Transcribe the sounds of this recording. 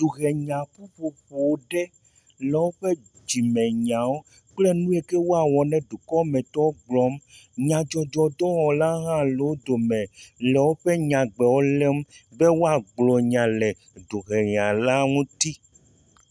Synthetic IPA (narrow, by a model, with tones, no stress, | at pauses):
d̪̥u˨ɣɛ˨ɲã˨ku˦ɸo˨ɸo˨wo˦ɖɛ˦ | lɛ˨wo˦ɸɛ˦ | d͡ʑi˨mɛ̃˨ɲã˨wo˦ | k͡plɛ˦nũ˦e˨kɛ˦wo˦a˨wɔ˨nɛ̃˦d̪u˨kɔ˦mɛ̃˨t̪ɔ˦wo˦ɡ͡blɔ˦m | ɲã˨d͡ʒɔ˨d͡ʒɔ˨d̪ɔ˦wɔ˨la˦ɦã˦le˨wo˦d̪o˨mɛ̃˨lɛ˨wo˦ɸɛ˦ɲã˨ɡ͡bɛ˨wo˦lɛ˦mbɛ˦wo˦a˨ɡ͡blɔ˨ɲã˨lɛ˨ | d̪u˨ɣɛ˨ɲã˨la˦ŋũ˦t̪i˦